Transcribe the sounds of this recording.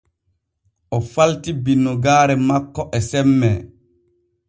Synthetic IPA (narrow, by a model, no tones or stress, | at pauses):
ʔɔfaltibinːɔɡaːɾɛmakːɔʔɛsɛmːɛ